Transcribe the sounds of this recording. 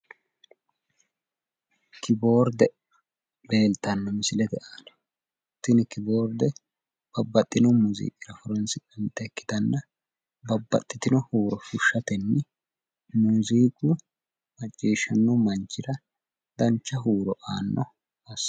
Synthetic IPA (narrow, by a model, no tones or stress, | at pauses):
kɪbo̞ːɾd̪ɛ | be̞ːlt̪ɐnːɔmɪsɪlɛd̪ɛʔaːnɛ̥ | t̪ɪnɪkɪboːɾd̪ɛ | b̥ɐbːɐt̪ʼːɪnɔmuzḭːkʼːɪɾɐfɔɾɛnsɪkʼɐnt̪ːɛkːɪ̥d̪ɐnːɐ | bɐbːɐ̰t̪ʼːɪt̪ɪnɔhuːɾɔfʊʃːɐt̪ɛnːɪ | muziːkʼu | mɐt͡ʃʼːiːʃɐnːɔmɐnt͡ʃʼːɪɾɐ | d̪ɐnt͡ʃːɐɦuːɾɔʔaːnːɔ | ɐs